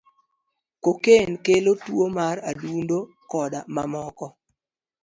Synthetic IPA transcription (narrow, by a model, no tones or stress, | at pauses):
kokenkelotwomaradundo | kɔdamamɔkɔ